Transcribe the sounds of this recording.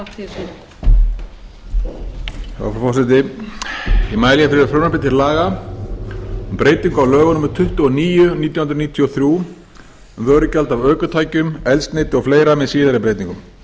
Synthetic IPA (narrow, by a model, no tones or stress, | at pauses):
θa̰wfɔfɔsɛt̪̬ɪ | imaːjlijafɪɾɪfɾoːwnapɪt̪ʰɪɾlaːɣa | mpɾeːjt̪iŋkawlœːɣʏnʏmʏɾ̥t̪ʰʏht̪uɔniːjʏniːt̪jawhʏnɾniːt̪ʰjɔθɾju | ɛmvœːɾʏcalt̪avœːkʏt̪ʰaːjcʏmɛlsnejt̪ɪɔɣfleːjɾamɛðsiːðaɾɪpɾejt̪niŋkʏm